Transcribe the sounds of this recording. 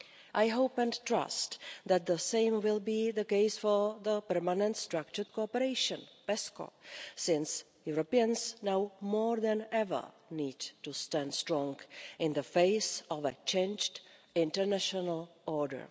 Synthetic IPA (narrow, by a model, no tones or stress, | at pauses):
ʔajɦowpɛ̃ntɾa̰stðæt̪̚ðəsẽɪ̃mwɪlbiðəkeɪsfɔɹðəpɛɹmanɛ̃nt̪st̪ɾakt͡ʃəɹt̚kopəɾejʃə̃npɛsko̰sɪ̃ns | juɾopiə̃nsnawmɔɹðɛ̃nɛvə̰˞ | niːdtustæ̃ndstɾɔ̃ŋɡʔɪ̃nðəfeɪsʔɔvə̰t͡ʃẽɪnd͡ʒtɪ̃ntəɹnæʃonalʔɔɹdə̰ɹ